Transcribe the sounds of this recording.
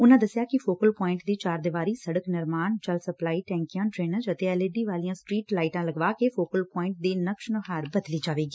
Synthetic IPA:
ʊnãːd̪əsɪjaːkɪfoːkəlpɔːɪ̃ɳʈd̪iːt͡ʃaːɾd̪ɪʋaːɾiːsəɽəknɪɾmaːnt͡ʃəlsəplaːiːʈɛ̃ːŋkijãːʈɾeːnəɾd͡ʒət̪eːɛleɖiːʋaːlijãːsʈɾiːʈlaːɪʈãːləɡʋaːkeːfoːkəlpɔːɪ̃ɳʈ̚d̪eːnəkʃnʊɦaːɾbəd̪liːd͡ʒaːʋeːɡiː

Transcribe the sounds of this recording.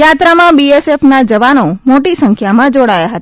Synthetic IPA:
jat̪ɾamãbiesefnad͡ʒəʋanomoʈisəŋkʰjamãd͡ʒoɽajaɦət̪a

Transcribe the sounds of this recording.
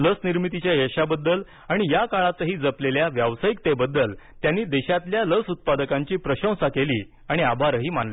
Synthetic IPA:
ləsniɾmit̪it͡ɕjaɦeɕabəd̪ːəl | aɽ̃ijakaɭat͡səɦiːd͡zəpleljaʋjaʋsajik̚t̪ebəd̪ːəlt̪janːiːd̪eɕat̪ljaləsut̪̚pad̪əkãɲt͡ɕiːpɾəɕə̃w̃sakeliː | aɽ̃iabʱaɾɦiːmanli

